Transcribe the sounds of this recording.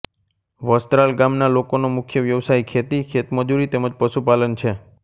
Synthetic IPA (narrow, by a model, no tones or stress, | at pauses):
ʋəst̪ɾalɡamnalokonomʊkʰjəʋjəʋsaikʰet̪ikʰet̪məd͡ʒuɾit̪eməd͡ʒpəʃupalənt͡ʃʰe